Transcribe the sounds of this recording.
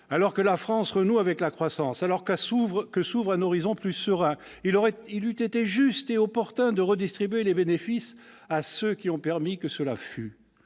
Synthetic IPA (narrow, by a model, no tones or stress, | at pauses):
alɔʁkəlafχɑ̃sʁənuavɛklakχwasɑ̃salɔʁkuvʁkəsuvʁɛ̃nɔʁizɔ̃plysəʁɛ̃ | ilɔʁɛilyt̪et̪eʒyst̪eɔpɔʁt̪ɛ̃d̪əʁəd̪ist̪χibɥelebenefis | asøkʲiɔ̃pɛʁmikəsəla̰fy